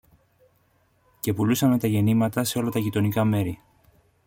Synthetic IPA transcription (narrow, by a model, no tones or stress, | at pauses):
ce̞pulusɐme̞t̪ɐʝe̞nimɐt̪ɐse̞o̞lɐt̪ɐʝit̪o̞nikɐme̞ɾi